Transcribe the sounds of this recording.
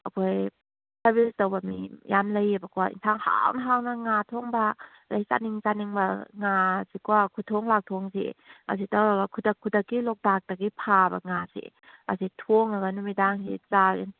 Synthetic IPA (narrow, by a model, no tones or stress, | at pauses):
ɐkʰoj | saɾbistawbamijamləjbakuaʔḭnsʰaŋha̰wnaɦawnaŋatʰoŋba | lajsa̰niŋzaniŋbaŋasikuakʰutʰɔŋlak̚tʰoŋsḭa̰s̬itawaɡakʰudakʰːudakːilɔk̚dak̚dakipʰaba̰ŋasḭ | a̰sitʰoŋaɡanumidaŋsḭt͡saḭn